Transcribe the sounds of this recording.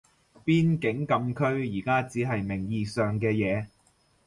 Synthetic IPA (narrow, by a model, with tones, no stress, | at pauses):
piː˥nkɪ˨˥ŋkɐ˧mkʰɵ˥ɥjiː˨˩kaː˥t͡siː˨˥ɦɐ˨jmɪ˨˩ŋjiː˨˧sœː˨ŋkɛː˧jɛː˨˧